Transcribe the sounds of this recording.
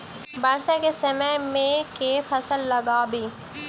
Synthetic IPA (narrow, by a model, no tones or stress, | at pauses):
baɾsekesɐməmẽkefʰɐsəlːɐɡaːbiː